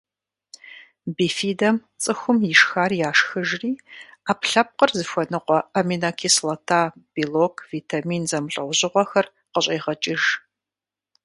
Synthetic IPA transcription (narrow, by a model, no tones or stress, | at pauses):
biːfiːdɐm | t͡sʼɨxʷʊmjɪʃxaːrjaːʂxɨʒriːaːpɬɐp̚qərzɨxʷɐnɨqʷɔɐminakʰiːslɐtʰaːb̥iːloːkʰviːtʰamiːnzɐmɬʼɐwʑɪʁʷɔxɐr | qəɕʼeːʁɐt͡ʃʼɪʒ